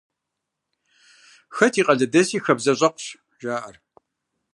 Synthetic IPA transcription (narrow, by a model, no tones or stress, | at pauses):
xɐtʰiːqʼɐɮɐdɐsiːxɐbzɐɕʼɐqʷɕ | ʒaːʔɐr